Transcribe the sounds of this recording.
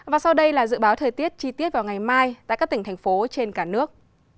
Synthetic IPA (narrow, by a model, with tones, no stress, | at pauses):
vaː˨˩sa˧wɗə˧jlaː˨˩zɨ̰˧˨ɓaː˨˦wt̪ʰəː˨˩jt̪i˦˥ət̚t͡ɕi˧t̪i˦˥ət̚vaː˨˩wŋa˨˩jmaː˧jt̪a̰ː˧˨kaː˦˥t̪i˧˩ŋ̟t̪ʰjŋ̟fo˨˦t͡ɕe˧nkaː˧˩nɨ˦˥ək̚